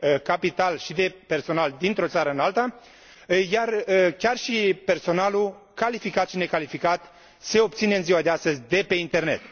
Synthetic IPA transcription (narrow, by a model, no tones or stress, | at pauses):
kapit̪alʃid̪e̞pe̞rso̞nald̪int̪ɾo̞t̪saɾəɨnalt̪ə | jarəkʲarʃipe̞rso̞nalu | kalifikat̪ʃine̞kalifikat̪ | se̞o̞p̚t̪sine̞ɨnziwad̪east̪əzʲd̪e̞pe̞int̪e̞rne̞t̪